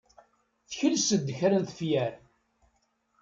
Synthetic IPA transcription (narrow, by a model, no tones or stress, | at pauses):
θəçəlsəd̪ːçaɾənθəfjæɾ